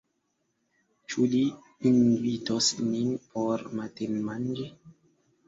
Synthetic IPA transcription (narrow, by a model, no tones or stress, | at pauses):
t͡ʃuliː | nvitosninpʰoɾmatenmand͡ʒi